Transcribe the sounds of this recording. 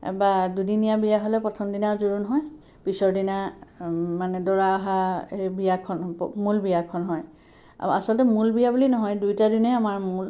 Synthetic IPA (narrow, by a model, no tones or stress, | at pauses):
badudinijabijaɦolɛpɹɔtʰɔmdinazuɹunɦɔj | pisɔɹdina | manɛdɔɹaːɦaebijakʰɔnpmulbijakʰɔnɦɔj̰ | a̰sɔlɔtɛmulbijabulinɔɦɔjdujtadinɛamaɹmul